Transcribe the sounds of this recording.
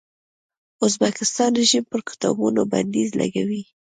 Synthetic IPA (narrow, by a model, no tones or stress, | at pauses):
ʊzbakɪst̪ɑnʒimpəɾkɪ̥t̪ɑ̰bunoba̰nd̪izlʔa̰ɡawi